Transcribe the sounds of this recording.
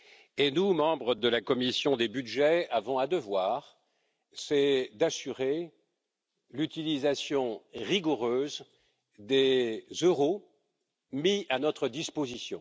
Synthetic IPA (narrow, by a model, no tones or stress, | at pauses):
enumɑ̃bʁəd̪əlakɔmisjɔ̃d̪ebyd̪ʒɛavɔ̃ad̪əvwaːʁ | sɛd̪asyʁe | lyt̪ilizasjɔ̃ʁiɡuʁøːz | d̪ezøʁo | mianɔt̪χəd̪ispozisjɔ̰̃